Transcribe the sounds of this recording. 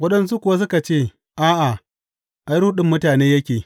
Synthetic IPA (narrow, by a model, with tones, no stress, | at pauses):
wɐ˦ɗɐ˨ns̬u˦kʷʊ˨wa˦s̬ʊ˦ka˨t͡ʃeː˦˨ | ʔaː˦ʔa˨ | ʔa˦jɾu˦ɗɪ˦˨mːʊ˦taː˨neː˦jɐ˦kʲeː˨